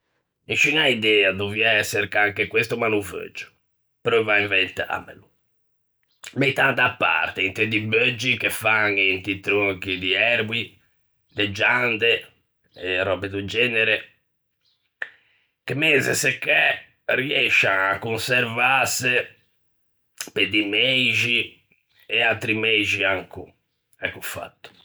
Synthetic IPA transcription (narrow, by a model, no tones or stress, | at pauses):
iʃinaid̪ɛːad̪uviaɛsːeɾkaŋkekwest̪umanuvø̰d͡ʒʊ̥ | pɾɔvaiɱvent̪a̰mḛlu | met̪ad̪apːa̰ɾt̪eint̪ed̪ibəd͡ʒːikefaŋint̪it̪ɾokid̪iɛɾbi | d̪ed͡ʒand̪e | ɛrɔbɛd̪ud͡ʒɛːneɾe | kemɛnsesekːɛ | riɛʃːaakːunsɛɾvase | ped̪imeʒi | ɛalt̪ɾimed͡ʒiaŋkṵ | ɛkːufa̰t̪ːu̥